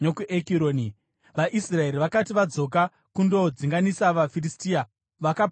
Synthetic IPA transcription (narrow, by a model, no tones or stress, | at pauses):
nokuʔekiɾoːni | ʋaʔisrae̞ɾiʋakatiʋad͡zo̞k̬a | kundo̞d͡ziŋɡanisaʋafiristiːa | ʋakap